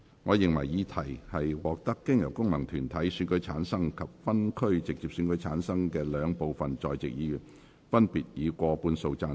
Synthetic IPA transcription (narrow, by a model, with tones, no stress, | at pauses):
ŋɔː˨˧jɪ˨˩ŋwɐ˨˩jjiː˨˧t̪ʰɐ˨˩jhɐ˨jwɔː˨k̚t̪ɐ˥kːɪ˥ŋjɐ˨˩wkʊ˥ŋmɐ˨˩ŋt̪ʰyː˨˩nt̪ʰɐ˨˥jsyː˨˧nkɵ˨˧˥ɥt͡sʰaː˨˥nsɐ˥ŋkʰɐ˨p̚fɐ˥nkʰɵ˥ɥt͡sɪ˨k̚t͡siː˨p̚sy˧nkɵ˨˥ɥt͡sʰaː˨˥nsɐ˥ŋkɛː˧lœː˨˧ŋpo˨wfɐ˨nt͡ʃɔː˨jt͡sɪ̰˨k̚jiː˨˧jyː˨˩n | fɐ˥npiː˨t̚jiː˨˧kʷɔː˧puː˧nso˧wt͡saː˧